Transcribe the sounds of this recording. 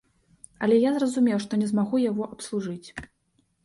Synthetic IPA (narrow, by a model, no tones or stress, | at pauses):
ɐ̰lʲɛjazrɐzumʲɛjwʂt̪ɔnʲɛzmaɣujaɣɔʔɐpslˠuʐɨt͡sʲ